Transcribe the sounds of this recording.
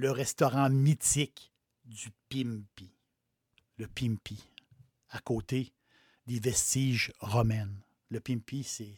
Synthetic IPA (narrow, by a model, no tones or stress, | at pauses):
ləʁɛst̪ɔʁɑ̃mit̪ɪk | d̪ypimpi | ləpimpi | akoːt̪e | d̪evɛst̪iʒʁɔmɛn | ləpimpisɛ